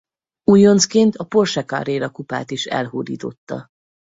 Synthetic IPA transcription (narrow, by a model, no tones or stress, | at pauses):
ujo̞nskeːnt̪ɒpo̞rʃɛka̰ɾeːɾɒkupa̰ːt̪iʃɛ̰lhoːd̪ḭːt̪o̞̰t̪ːɒ̰